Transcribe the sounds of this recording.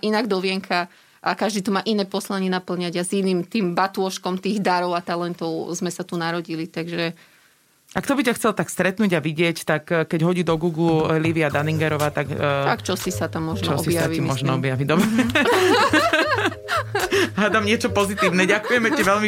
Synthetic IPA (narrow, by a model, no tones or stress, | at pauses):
ʔinaɡd̪ɔʋɪɛŋkʰa | ʔakaʒd̪iːt̪umaːʔinɛːpɔslaɲɪɛnapl̩ɲaɟaziniːmt̪iːmbat̪ʊɔʃkɔmt̪iːɣd̪aɾɔʊat̪alɛnt̪ɔʊzmɛsat̪unaɾɔɟilit̪aɡʒɛ | ʔakt̪ɔbicaxt͡sɛlt̪akst̪ɾɛt̪nuːɟaʋiɟɪɛct̪akːkːɛɟɦɔɟiːd̪ɔɡuːɡluliʋiad̪aniŋɡɛɾɔʋaːt̪akːt̪akt͡ʃɔsisat̪amːɔʒnt͡ʃ̪ɔɔɔibjaaʋiimmɔʒnɔɔbjaʋiɟd̪ɔbɾɛɛɛ | ɦad̪amɲɪɛt͡ʃɔpɔzit̪iːʊnɛɟakujɛmɛiʋɛlmi